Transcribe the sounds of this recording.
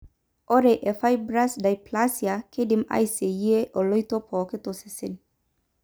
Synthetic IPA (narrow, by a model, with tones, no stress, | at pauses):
ʔo˦ɾeʔefajbɾa˦sd̪a˨jpʰlasjakʰe˦d̪ima̰˦jse˨je˦ʔo˨lɔ˦jt̪o˦pʰoː˨ke˦t̪ose˨sen